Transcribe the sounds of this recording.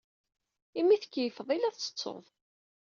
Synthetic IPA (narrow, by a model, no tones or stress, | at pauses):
imːiθə̥kːjəfəðˤilæθt͡sːə̥t͡sːo̰ðˤ